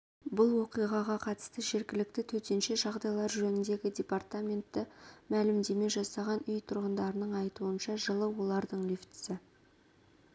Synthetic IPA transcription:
bʊlˠwo̞qijʁɑʁɑqʰɑt̪ə̥st̪əʒe̞ɾkʲɪlɪk̚t̪ɪt̪ʰɵt̪e̞nʃe̞ʒɑʁd̪ɑjlˠɑɾʒɵnɪnd̪e̞ɡʲɪdʲe̞part̪amʲe̞nt̪ːɪmælɪmd̪e̞me̞ʒɑsɑʁɑnʏjt̪ʰʊɾʁənd̪ɑɾənəɴɑjt̪uənʃɑʒəlˠəwo̞lˠɑɾd̪əɴlɵft̪ɪ̥sɪ

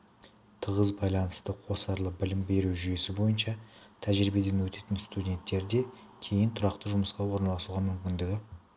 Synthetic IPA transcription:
t̪ʰəʁəzbɑjlˠɑnəst̪əqʰo̞sɑɾlˠəbɪlɪmbe̞ɾuʒʏje̞sɪbo̞jənʃɑt̪ʰæʒɾibe̞d̪e̞nwɵt̪e̞t̪ɪnst̪udʲe̞nt̪ːe̞ɾd̪e̞ | kʲʰe̞jɪnt̪ʰʊɾɑqt̪əʒʊməsqɑwo̞ɾnɑlˠɑsuʁɑmʏmkʲɪnd̪ed̪ʲɪ

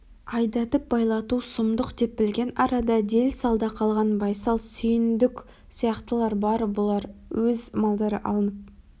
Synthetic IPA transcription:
ɑjd̪ɑt̪əp̚bɑjlˠɑt̪usʊmd̪ʊqd̪e̞p̚bɪlɡʲe̞nɑɾɑd̪ɑd̪e̞lsɑlˠd̪ɑqʰɑlˠʁɑnbɑjsɑlˠsʏjɪnd̪ɪkʲ | sijɑqt̪əlˠɑɾbɑɾbʊlˠɑɾwɵzmɑlˠd̪ɑɾə̰ʔɑ̰lˠənəp̚

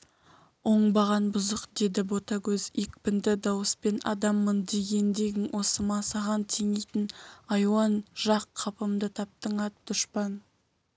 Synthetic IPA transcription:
wo̞ɴbɑʁɑnbʊzəqd̪e̞d̪ɪbo̞t̪ɑkʲʰɵzikpɪnd̪ɪd̪ɑwəspe̞nɑ̰d̪ɑmːənd̪e̞ɡʲe̞nd̪e̞ɡʲɪnwʔo̞səmɑsɑʁɑnt̪ʰeŋejt̪ɪnɑjwɑnʒ̥ɑqʰːɑpəmd̪ət̪ʰɑp̚t̪əɴɑt̪̚d̪̥ʊʃpɑn

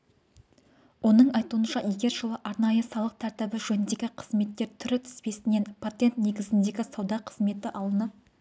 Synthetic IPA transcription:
wo̞nəɴɑjt̪uənʃɑʔjeɡʲe̞ɾʒəlˠəʔɑɾnɑjəsɑlˠəq̚t̪ʰæɾt̪ɪbɪʒɵnɪnd̪e̞ɡʲɪqʰəzme̞t̪ːe̞ɾt̪ʰʏɾɪt̪ʰɪ̥spe̞sɪne̞npʰat̪e̞nt̪ne̞ɡʲɪzɪnd̪e̞ɡʲɪsɑwd̪ɑqʰə̥zme̞t̪ɪʔɑlˠənəp̚

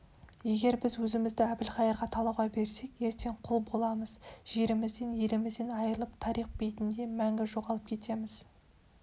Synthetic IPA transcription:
je̞ɡʲe̞ɾbɪzwɵzɪmɪzd̪ɪæbɪlχɑjɑɾʁɑt̪ʰɑlˠɑwʁɑbe̞ɾse̞kje̞ɾt̪ʰe̞ɴqʰʊlˠbo̞lˠɑməzʒ̥e̞ɾɪmɪzd̪e̞nje̞lɪmɪzd̪e̞nɑjəɾəlˠəpt̪ʰɑɾiχ̚bejt̪ɪnd̪e̞mæŋɡʲɪʒo̞ʁɑlˠəp̚kʲʰe̞t̪ʰe̞mɪz

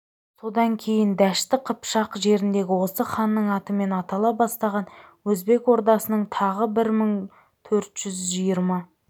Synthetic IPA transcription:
so̞d̪ɑŋkʲʰe̞jɪnd̪æʃt̪ɪqʰəpʃɑqʒe̞ɾɪnd̪e̞ɡʲɪwo̞səχɑnːəɴɑt̪əme̞nɑt̪ɑlˠɑbɑst̪ɑʁɑnwɵzbe̞kwo̞ɾd̪ɑsənəɴt̪ʰɑʁəbɪɾməɴ | t̪ʰɵɾt̪ʒ̥ʏzʒijəɾmɑ

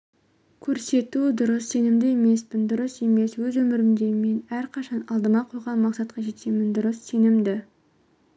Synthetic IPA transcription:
kʲʰɵɾse̞t̪ud̪ʊɾəsːe̞nɪmd̪ɪe̞me̞spɪnd̪ʊɾəse̞me̞swɵzwɵmɪɾɪmd̪e̞me̞næɾqʰɑʃɑnɑlˠd̪əmɑqʰojʁɑnmɑqsɑt̪qɑʒe̞t̪emɪnd̪ʊɾəsːe̞nɪmd̪ɪ

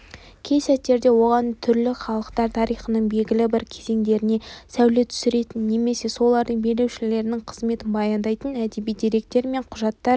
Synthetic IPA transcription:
kʲʰe̞jsæt̪ːe̞ɾd̪e̞wo̞ʁɑnt̪ʰʏɾlɪχɑlˠəqt̪ɑɾt̪ʰɑɾijχənəɴbe̞lɡʲɪlɪbɪɾkʲʰe̞ze̞ŋd̪e̞ɾɪne̞sæwlet̪ʰʏ̥sɪɾe̞t̪ɪnːe̞me̞se̞so̞lˠɑɾd̪əɴbe̞le̞wʃɪle̞ɾɪnɪɴqʰəzme̞t̪ɪnbɑjɑnd̪ɑjt̪ənæd̪e̞bijd̪eɾe̞k̚t̪e̞ɾme̞ɴqʰʊʒɑt̪ːɑɾ

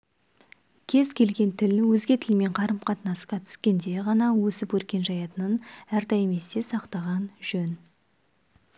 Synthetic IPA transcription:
kʲʰe̞zkʲʰe̞lɡʲe̞nt̪ʰɪlwɵzɡʲe̞t̪ʰɪlme̞ɴqʰɑɾəmqʰɑt̪nɑsqɑt̪ʰʏ̥skʲe̞nd̪e̞ʁɑnɑwɵsɪpwɵɾkʲe̞nʒɑjɑt̪ənənæɾd̪ɑjme̞se̞sɑqt̪ɑʁɑnʒ̥ɵn

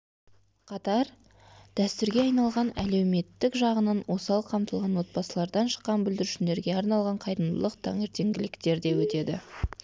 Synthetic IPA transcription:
qʰɑt̪ɑɾ | d̪̥æst̪ʏɾɡʲe̞ɑjnɑlˠʁɑnæle̞wme̞t̪ːɪkʒɑʁənɑnwʔo̞sɑlˠqʰɑmt̪əlˠʁɑnwo̞t̪̚bɑsəlˠɑɾd̪ɑnʃə̥qːɑnbʏld̪ɪɾʉʃɪnd̪e̞ɾɡʲe̞ɑɾnɑlˠʁɑɴqʰɑjɾəmd̪əlˠəqt̪ʰɑ̰ŋe̞ɾt̪e̞ŋɡʲɪlɪkt̪e̞ɾd̪e̞wɵt̪e̞d̪ɪ̰

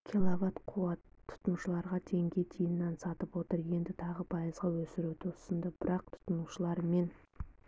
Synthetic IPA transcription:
kʲʰilˠavɑt̪qʰuwɑt̪ʰːʊ̥t̪ənuʃəlˠɑɾʁɑt̪ʰe̞ŋɡʲe̞jt̪ʰijnːɑnsɑt̪əpwo̞t̪əɾje̞nd̪ɪt̪ʰɑʁəpʰɑjəzʁɑwɵsɪɾuwt̪ʰosənd̪əb̥ɪɾɑq̚t̪ʰʊ̥t̪ʊnuʃəlˠɑɾme̞n

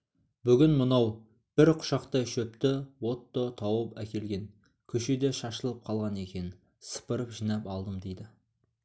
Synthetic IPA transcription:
bʏɡʲɪnmənɑw | b̥ɪɾqʰʊ̥ʃɑqt̪əʃɵpt̪ɪwo̞t̪ːət̪ʰɑwəpækʲe̞lɡʲe̞ŋ | kʲʰɵʃed̪e̞ʃɑʃəlˠəp̚qʰɑlˠʁɑne̞kʲe̞nɪ | sə̥pəɾəpʒijnɑpɑlˠd̪əmd̪ejd̪ɪ

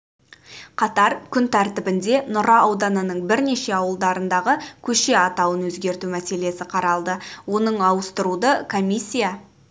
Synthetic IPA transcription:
qʰɑt̪ɑɾkʲʰʏnt̪ʰæɾt̪ɪbɪnd̪e̞nʊɾɑɑwd̪ɑnənəɴbɪɾne̞ʃe̞ɑwəlˠd̪ɑɾənd̪ɑʁəkʲʰɵʃe̞ɑt̪ɑwənwɵzɡʲe̞ɾt̪umæse̞le̞sɪqʰɑɾɑlˠd̪əwo̞nəɴɑwəst̪əɾud̪əkʰo̞mʲisʲːija

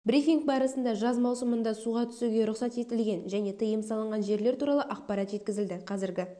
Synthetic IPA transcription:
bɾifʲiŋk̚bɑɾəsənd̪ɑʒɑzmɑwsəmənd̪ɑsuʁɑt̪ʰʏ̥suɡʲeɾʊχsɑt̪e̞t̪ɪlɡʲe̞nʒæne̞t̪ʰəjəmsɑlˠəɴʁɑnʒe̞ɾle̞ɾt̪uɾɑlˠəʔɑqpɑɾɑt̪ʒe̞t̪̚kʲɪzɪld̪ɪqʰɑzɪɾɡʲɪ

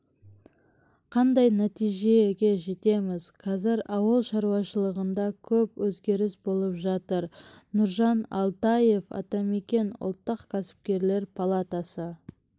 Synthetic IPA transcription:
qʰɑnd̪ɑjnæt̪ijʒe̞ɡʲe̞ʒe̞t̪e̞mɪz̥qʰɑzɪɾɑwəlˠʃɑɾuwɑʃəlˠəʁənd̪ɑkʲʰɵpwɵzɡʲe̞ɾɪsbo̞lˠəpʒɑt̪əɾ | nʊɾʒɑnɑ̰lˠt̪ɑje̞fɑ̰t̪ɑme̞kʲe̞nʊ̰lˠt̪ːəqkʲʰæsɪ̥p̚kʲe̞ɾle̞ɾpʰalˠat̪asə

